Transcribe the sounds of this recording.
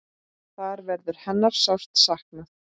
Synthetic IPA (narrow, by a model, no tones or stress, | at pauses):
θaɾvɛɾðʏɾ̥hɛnːaɾ̥sawst̪sahknaθ